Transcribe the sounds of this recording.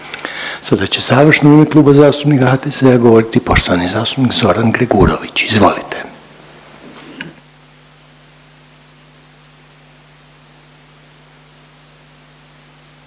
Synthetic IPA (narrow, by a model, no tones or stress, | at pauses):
sad̪at͡ɕe̞zaːʋr̩ʃnoimeklˠuːbazaːst̪upnikahaːt̪eseaɡo̞ʋo̞ɾit̪ipo̞ʃt̪o̞ʋanizaːst̪upnikzo̞ɾanɡɾeɡuːɾo̰ʋit͡ɕizʋo̞̰lit̪e̞̥